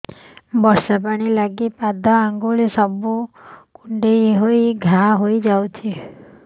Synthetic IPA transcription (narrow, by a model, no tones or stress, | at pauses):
bɔɾsapaɽ̃ilaɡipad̪aaŋɡoɭesɔbukuɳɖejɦojɡʱaɦoid͡ʒawt͡ʃʰi